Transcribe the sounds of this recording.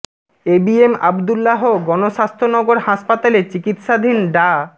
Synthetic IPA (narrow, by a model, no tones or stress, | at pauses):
ebiema̰bd̪ulːaɦoɡɔnoʃast̪ʰonɔɡoɾhaʃpat̪alet͡ɕikit̪ʃad̪ʱinɖa